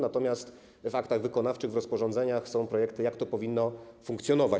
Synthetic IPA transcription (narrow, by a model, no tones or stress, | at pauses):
nat̪ɔmʲjast̪ | vakt̪aɣvɘkɔnaft͡ʂɘɣvɾɔspɔʐɔnd̪zɛɲaxsɔ̃w̃pɾɔjɛkt̪ɘjakt̪ɔpɔvʲinːɔfuŋkt̪sjɔnɔva